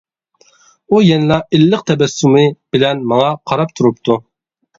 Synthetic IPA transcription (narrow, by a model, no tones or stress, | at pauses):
ujɛnɪlɑʔɪlːəq̚t̪ʰɛbɛsːumɨb̥ɪlɛnmɑŋɑqʰɑɾɑp̚t̪ʰuɾup̚t̪ʰu